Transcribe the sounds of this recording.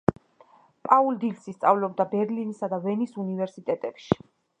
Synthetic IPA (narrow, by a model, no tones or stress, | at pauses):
pʼauld̪ilsist̪sʼa̰vlɔb̚d̪abɛɾlinisad̪avɛnisunivɛɾsit̪ʼɛt̪ʼɛpʃi̥